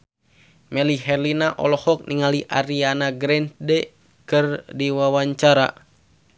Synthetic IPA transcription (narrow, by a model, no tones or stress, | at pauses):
mɛliɦɛrlinaʔɔlɔhɔk̚nʔiŋaliʔaɾianaɡɾɛnt̪̚dɛ | kɨrdiwawaɲt͡ʃaɾa̰